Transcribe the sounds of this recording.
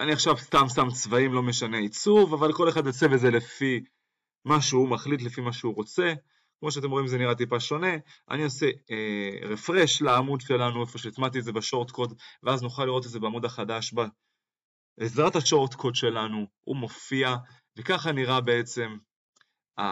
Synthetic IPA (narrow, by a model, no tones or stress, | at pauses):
aniaχʃavst̪amsamt͡svaimlo̞meʃane̞it͡suvavalko̞le̞χad̪ot͡seveze̞le̞fi | maʃeumaχlit̪̬lefimaʃeuʁo̞t͡se̞ | kmo̞ʃ̬eat̪̬e̞mʁo̞imzeniʁat̪̬ipaʃo̞ne̞ | a̰nioseeʁefʁe̞ʃlaamudʃe̞lanuefo̞ʃet̪mat̪̬ieze̞beʃo̞ʁt̪ko̞dveaznuχalːiʁot̬ezeeamud̪aχadaʃba | ezʁathaʃo̞ʁt̪kʰodʃe̞lanuṵmo̞fia | vekaχaniʁabe̞e̞t͡se̞m | a̰